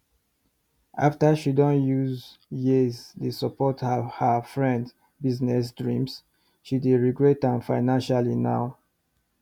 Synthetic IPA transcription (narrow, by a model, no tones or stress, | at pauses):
ʔaftəʃidɔ̃njuzjiztusəpɔthəhəfɹɛ̃nd | biznɛs̬dɹĩms | ʃidiɹiɡɹɛtãnfaɪnãnʃalina̰w